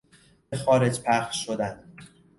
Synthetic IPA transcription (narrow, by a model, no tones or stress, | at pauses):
bexɒːɾe̞d͡ʒpʰæχʃːod̪æn